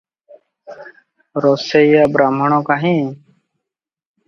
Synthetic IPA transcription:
ɾoːseːiːjaːbɾaːməɳõːkaːɦĩː

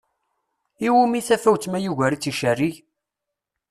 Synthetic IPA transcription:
iwumiθæfæwt͡sːmæjuʝæɾit͡sːiʃærːiʝ

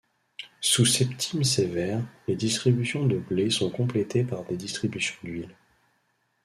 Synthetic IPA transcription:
susɛpt̪ʰimsevɛʁled̪ist̪χibysjɔ̃d̪əblesɔ̃kɔ̃plet̪ʰepaʁd̪ed̪ist̪χibysjɔ̃d̪ɥil

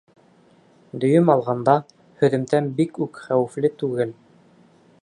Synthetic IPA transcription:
d̪ɵ̆jɵmɑlˠʁɑnd̪ɑ | hɵ̆ðɘ̆mt̪ænbikʉkχæwɘ̆flɘt̪ʉɡɘl

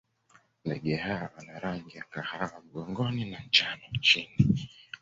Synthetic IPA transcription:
ndɛɠɛhawawanaɾaŋɡijakahawam̩ɠɔŋɡɔninant͡ʃanɔt͡ʃini

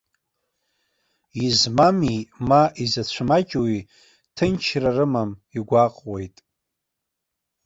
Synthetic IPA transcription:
izmamimaʔizat͡ɕʷʰmat͡ʃʼwi | tʰɨnt͡ʃʰrarɨmamiɡʷaqʼwejtʼ

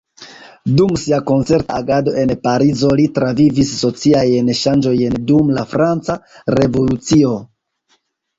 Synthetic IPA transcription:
dumsiako̞nt͡se̞ɾta̰ːɡado̞ʔe̞npaɾizo̞litɾavivisːo̞t͡siajnʃand͡ʒo̞jndumlafɾant͡saɾe̞vo̞lut͡sio̞

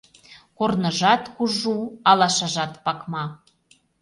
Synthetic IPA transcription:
kornɤʒɑt̪kuʒuɑlɑʃɑʒɑt̪pɑkmɑ

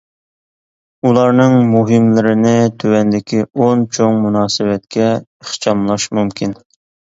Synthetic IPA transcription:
ulˠɑɾnɨŋmuɦɪmlɪɾɪnɪt̪ʰøwɛnd̪ɪkʲiont͡ʃʰoŋmunɑːsɨwɛt̪̚kʲʰɛəχt͡ʃɑmlˠɑʃmumkʲʰin

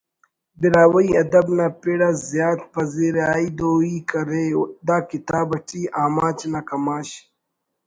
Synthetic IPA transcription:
biɾaːwɐiɐd̪ɐbnaːpeɽazjaːt̪̚pɐziːɾaːid̪oːiːkɐɾed̪aːkit̪aːbɐʈiaːmaːt͡ɕnakɐmaːɕ

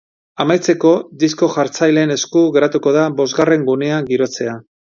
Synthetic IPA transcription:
amajt͡se̞ko̞d̪isko̞ʝaɾt͡sajle̞ne̞skuɣe̞ɾat̪uko̞ðabo̞zɣare̞ŋɡune̞aŋɡiɾo̞t͡se̞a

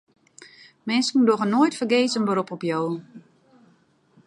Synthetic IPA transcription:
mɛnskn̩doɣənoːjtfərɡeːsənbəɾopɔpjoː

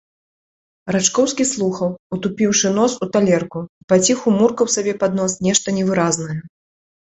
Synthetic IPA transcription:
rat͡ʂkɔwskʲislˠuxɐwut̪upʲiwʂɨn̪ɔsut̪alʲɛrkuipat͡sʲixumurkɐwsabʲɛpad̪nɔsnʲɛʂt̪ɐnʲɛvɨɾaznɐjɛ

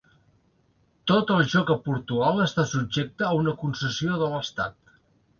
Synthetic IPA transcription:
t̪ot̪əlˠʒɔkəpuɾt̪uɣalˠəst̪asubd͡ʒek̚t̪əːunəkunsəsioðələst̪at̪

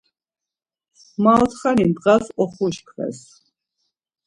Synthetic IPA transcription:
mat̪ʰχanint̪ʼqasɔχuʃkʰvɛ̰s

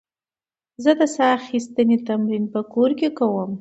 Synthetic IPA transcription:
zəd̪əsaaxist̪ənet̪amɾinpəkoɾkekawəm

